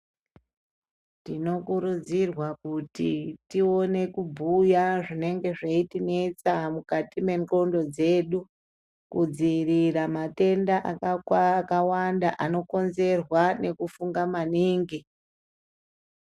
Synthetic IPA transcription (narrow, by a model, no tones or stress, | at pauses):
tino̞kuɾud͡zirwakutitio̞ne̞kubʱujaʐine̞ŋɡe̞ʐaitine̞t͡samukatime̞ŋko̞ndo̞d͡ze̞ːɗu | kud͡ziriramate̞ndaʔakakawandaʔano̞ko̞nze̞rwane̞kufuŋɡamaniːŋɡi